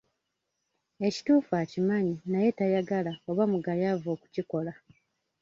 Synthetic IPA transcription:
e̞ci̥tuːfaːcimaɲinaje̞tajaɡalaoβamuɡajavo̞ːku̥ciko̞la

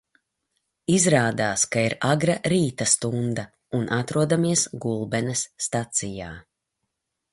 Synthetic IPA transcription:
izɾaːd̪aːskaiɾaɡɾaɾiːt̪ast̪und̪ɐ | unʔat̪ɾuɔd̪amiɛsɡulˠbɛnɛsːt̪at̪sija̰ː

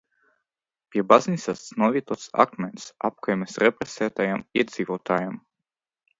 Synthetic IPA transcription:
pʲiɛbaznisanuɔvʲiɛt̪ɔt̪sa̰kmensap̚kajmesɾɛpɾɛsɛːt̪ajamiɛd̪z̥ivoːt̪ʰaːjam

